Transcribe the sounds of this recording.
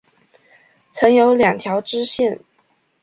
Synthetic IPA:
t͡sʰɤ˧˥ŋjo˧˥ʊljɑ˨˩ŋt̪ʰjɑ˧˥ʊʈ͡ʂɻ̩˥ɕɛ˥˩n

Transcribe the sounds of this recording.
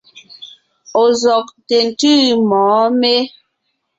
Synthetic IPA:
o˨zɔ˨k̚te˨n̩˨tʉ˦mɔː˨˦me˦

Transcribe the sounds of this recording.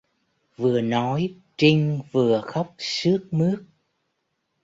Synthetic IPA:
vɨ˨˩ənɔ˨˦j | t͡ɕi˧ŋvɨ˨˩əxə˦˥wk͡p̚sɨ˦˥ək̚mɨ˦˥ək̚

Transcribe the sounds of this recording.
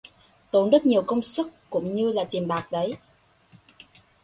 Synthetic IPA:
t̪o˨˦nzə˦˥t̚ɲi˨˩əwkə˧wŋ͡msə˦˥k̚kʊ̰˧˥ŋ͡mɲɨ˧laː˨˩t̪i˨˩mɓaː˨˩k̚ɗə˨˦j

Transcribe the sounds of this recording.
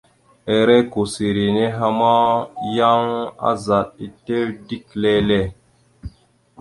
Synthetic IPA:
e˨ɾɛ˦ko˨si˨ɾi˨ne˦ɦa˦ma˦ja˦ŋa̰˦za˨t̚i˨te˦ɾdi˦kle˦lɛ˦˨

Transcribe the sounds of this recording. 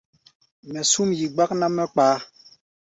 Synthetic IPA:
mɛ˨su˦mji˨ɡ͡ba˦k̚na˦mɛ˦k͡paː˨˦

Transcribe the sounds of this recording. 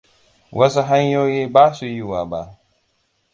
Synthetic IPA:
wɐ˦su˦ɦa˦ɲjoː˦jiː˦baː˦su˨ji˦waː˨ba̰˦˨ʔ

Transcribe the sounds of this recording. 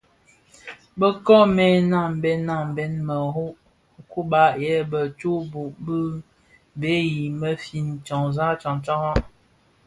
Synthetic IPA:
bə˦kɔ˦mɛ˨na˦˨m˨bɛ˦nːa˦˨m˨bɛ˦nmə˨ɦu˦ʔ | ku˦ba˦˨ʔjɛ˦bə˨t͡ʃu˦bu˨ʔbə˦ | be˨˦ji˨mə˦fi˨nt͡ʃɔ˨ŋza˦t͡ʃɔ˨ŋt͡ʃa˦ŋa˦

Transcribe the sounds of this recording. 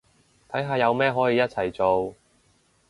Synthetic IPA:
t̪ʰɐ˨˥jɦaː˧jɐ˨˧wmɛː˥ɦɔː˨˥jiː˨˧jɐ˥t̚t͡sʰɐ˨˩jt͡so˨w

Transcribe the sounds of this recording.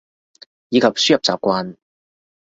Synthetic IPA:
jiː˨˧kʰɐ˨p̚syː˥jɐ˨p̚t͡sa̰ː˨˩p̚kʷaː˧n

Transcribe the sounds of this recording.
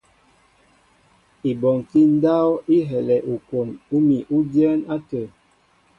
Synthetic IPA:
i˨bɔ˨ŋki˦n˦da˦wi˦ɦɛ˨lɛ˨ʔu˨ko˨nu˦mi˨ʔu˦djɛ˦na˦tə˨

